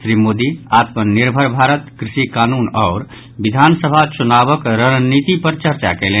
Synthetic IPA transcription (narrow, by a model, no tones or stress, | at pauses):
sɾimod̪iat̪mənːiɾbʱəɾbʱaɾət̪kɾisikanunɔʊɾ | bid̪ʱansəbʱat͡ʃunabəkɾəɦnit̪ipəɾt͡ʃəɾt͡ʃakele